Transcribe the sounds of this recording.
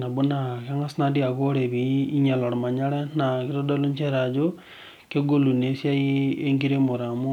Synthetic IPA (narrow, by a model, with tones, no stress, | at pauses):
na˨bu˦na˨ka˦ŋa˦sna˦di˦a˨ko˦ɾe˨bi˨i˦ɲa˨la˨ɾma˨ɲa˦ɾɛ˦na˨ki˦ɾo˦dɔ˦lu˦ɲt͡ʃe˦ɾa˨d͡ʒo˦ | ke˦ɡo˦lu˨ne˨˦sja˦i˦e˦ŋɡi˦ɾe˦mo˨ɾa˨mu˦